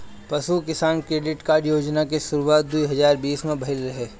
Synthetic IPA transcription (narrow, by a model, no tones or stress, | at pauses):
pɐsukɪsaːnkɾeːɖɪʈkaːɾɖjoːd͡ʒnakeʃʊɾuwaːt̪̚d̪uiɦɐzaːɾbiːsmẽbʱɐɪlɾɐɦeː